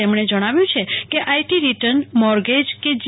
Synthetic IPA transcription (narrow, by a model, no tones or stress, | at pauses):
emɽ̃ed͡ʒəɽ̃aʋjũt͡ʃʰekeʔajʈiɾiʈəɾnmɔɾɡed͡ʒked͡ʒ